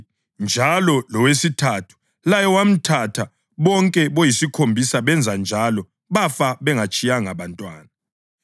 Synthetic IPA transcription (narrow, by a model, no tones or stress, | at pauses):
nd͡ʒʱalɔlɔwesitʰatʰu̥ | lajɛwam̩tʰatʰa | βɔŋkʼɛβojisikʰombʱisaβɛnd͡zʱand͡ʒʱalɔ | βafaβɛŋat͡ʃʼijaŋaβantʼwaːna